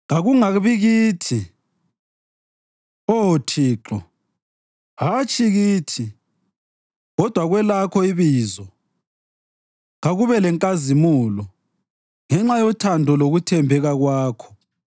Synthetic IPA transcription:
ɣaɣuŋaβiɣiːtʰi | otʰiːǁɔ | ɦat͡ʃʰʼiɣiːtʰi | ɣɔd̥ʱwaɣwɛlakʰɔiβiːzɔ | ɣaɣuβɛlɛŋkʼazimulɔ | ŋɛŋ͡ǁajɔtʰandʱɔloɣutʰɛmbʱɛɣaɣwaːkʰɔ̥

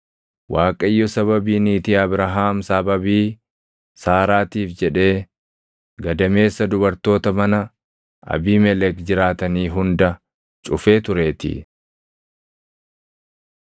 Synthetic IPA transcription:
waːkʼɐjːɔsɐβɐbiːniːt̪iɐbɾɐɦaːmsɐbɐbiː | saːɾaːt̪iːfd͡ʒɛᶑe̞ː | ɡɐd̪ɐme̞ːsːɐd̪ʊbɐɾt̪o̞ːt̪ɐmɐnɐ | ʔɐ̰biːmɛlɛkd͡ʒɪɾaːt̪ɐniːɦʊnd̪ɐ | t͡ʃʼʊfe̞ːt̪ʊɾe̞ːt̪ɪ̰

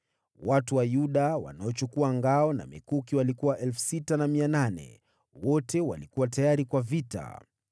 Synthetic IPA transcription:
watuwajuɗawa̰naɔt͡ʃukuaŋɡaɔna̰mɛkukiwalikuwaʔɛlfu̥sitanamiananɛ̰ | wɔtɛwa̰likuwatajaɾikwavita̰

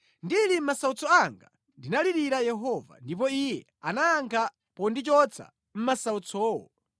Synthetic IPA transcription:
ndilim̩masaut͡sʰɔaŋɡa | ndinaliɾiɾajɛɦɔva̰ndip̬ɔijɛ̰ | a̰naːŋkʰa | pɔndit͡ʃɔt͡sʰa̰ | m̩masaut͡sʰɔːwɔ

